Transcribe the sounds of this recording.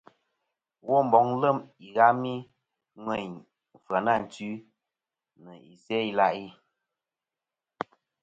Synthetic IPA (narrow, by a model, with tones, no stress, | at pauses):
wɔ˦m̩˨bɔ˨˦ŋ˦lə˦˨mi˨ɣa˦mi˦ | ŋwɛ˦˨ɲ˨ | fa˨na˦˨n̩˨tʉ˦ | nə˨i˨sɛ˦i˦la˦ʔi˦